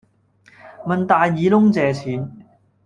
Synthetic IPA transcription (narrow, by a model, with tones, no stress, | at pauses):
mɐ˨nt̪aː˨jːiː˨˥lʊ˥ŋt͡sɛː˨˧t͡sʰiː˨˥n